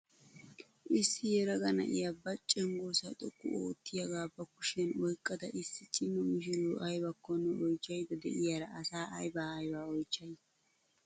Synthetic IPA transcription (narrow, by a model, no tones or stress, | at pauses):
ʔɪsːɪjɛɾɐɡɐnɐ̰ʔɪjɐbɐt͡ʃʼːɛŋɡoːsɐt̪ʼɔkʼːʊ̰o̰ːt̪ːɪjɐɡaːbːɐkʊʃɛnɔjkʼːɐd̪ɐʔɪsːɪt͡ʃʼːɪnːɔmɪʃ̬ɪɾuːʔɐjbɐkːɔnːɔʔɔjt͡ʃːɐjd̪ɐd̪ɛ̰ʔɪjɐɾɐɐsaːʔɐ̰jbaːɐjbaːɔjt͡ʃːɐj